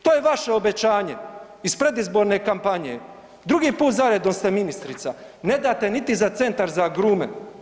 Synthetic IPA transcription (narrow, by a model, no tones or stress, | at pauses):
t̪o̞ːjeʋaʃe̞obet͡ɕaːɲe̞ | ispɾe̞d̪izbo̞ɾne̞kampaɲḛ | d̪ɾuɡiːpuːt̪zaɾed̪omst̪e̞minist̪ɾit̪sa | ne̞d̪aːt̪e̞nit̪izat̪se̞nt̪aɾzaɡɾuːme